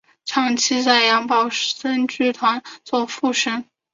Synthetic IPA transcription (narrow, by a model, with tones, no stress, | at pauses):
ʈ͡ʂʰɑ˥˩ŋt͡ɕʰi˥t͡sa˥˩ɪjɑ˧˥ŋpɑ˨˩ʊsə˥nʈ͡ʂy˥˩t̪ʰwa˧˥nt͡swɔ˥˧fu˥˩ʂə˥ŋ